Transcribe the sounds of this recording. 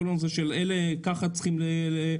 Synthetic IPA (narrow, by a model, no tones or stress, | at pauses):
nomzeʃelelekaχat͡sχimlele